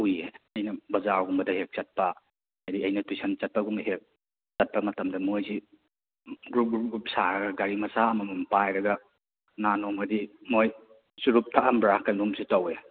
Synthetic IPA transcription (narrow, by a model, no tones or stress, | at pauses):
ujeɐjnɐbɐzaɾɡumbɐdɐhek̚t͡ʃɐt̚pɐ | adiɐjnɐtisʰɐnt͡ʃɐt̚pɐɡumɐhek̚ | t͡ʃɐt̚pɐmɐtɐmdɐmojzi | ɡɾup̚ɡɾup̚ɡup̚saɾɐɡɐɡaɾimɐsaɐmɐmumpajɾɐɡɐ | nanomɐdimoj | suɾup̚tʰaʔɐmbɾakajnumsitawe